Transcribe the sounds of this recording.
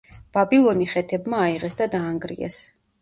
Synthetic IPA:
b̥abilˠɔniχɛt̪ʰɛbmaːiʁɛsd̪ad̪aːŋɡɾḭɛ̰s

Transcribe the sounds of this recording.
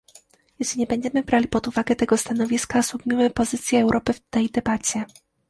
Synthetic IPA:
jɛɕlʲiɲɛbɛɲd͡ʑɛmɘbɾalʲipɔd̪uvaɡɛt̪ɛɡɔst̪anɔvʲiskaswuɡmʲimɘpɔzɘt̪sʲjɛːwɾʔɔpɘft̪ɛjd̪ɛbat͡ɕɛ

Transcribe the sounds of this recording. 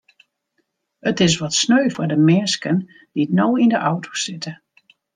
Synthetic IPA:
ətɪs̬ʋɔtsnøɥfʊdəmɛnskən | d̥itnoːindəʔɔwtʰo̥sɪtə

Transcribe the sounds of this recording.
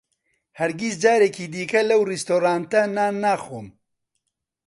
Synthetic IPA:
hɐɾɡisd͡ʒaːɾeːkiːd̪iːkɐlɐwrist̪oːɾaːnt̪ɐnaːnaːxo̰ːm

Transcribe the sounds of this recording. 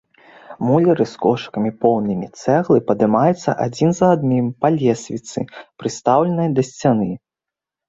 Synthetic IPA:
mulʲɐɾɨskɔʂkɐmʲipɔwnɨmʲit̪sɛɣlˠɨpɐd̪ɨmajɛt̪sːɐ̰ʔad͡zʲinzɐad̪nʲimpalʲɛsʲvʲit̪sɨ̰pɾɨst̪awlʲɛnɐjd̪ɐsʲt͡sʲanɨ

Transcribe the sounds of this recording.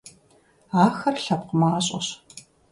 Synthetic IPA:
aːxɐrɬɐp̚qəmaːɕʼɐɕ

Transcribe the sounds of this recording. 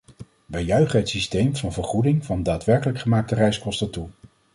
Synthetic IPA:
ʋɛjœɥχəɦətsistejmvɑnvəɹχudɪŋvɑndaːtʋɛɹkələkχəmaːk̚tərɛjskɔstətu

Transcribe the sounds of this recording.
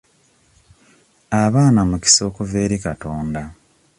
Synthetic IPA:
aβaːnamuki̥so̞ːkuve̞ːɾikatoːnda

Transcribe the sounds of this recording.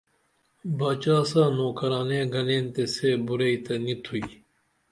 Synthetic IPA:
baːt͡ɕaːsaːnoːkɐɾaːnẽːɡɐlẽːnt̪eseːbuɾeit̪ɐnit̪ʰui

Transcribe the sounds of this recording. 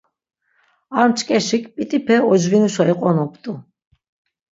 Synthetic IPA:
aɾmt͡ʃʼkʼɛʃikʰʼpʼit̪ʼipʰɛɔd͡ʒvinuʃaiqʼɔnɔpʰʼt̪ʼu

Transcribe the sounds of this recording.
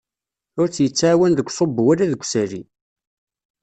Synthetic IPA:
ʊɾt͡sːjət͡sːaʕːwænðəɡʷsˤobːwælæðəɡʷːsæɾḭ

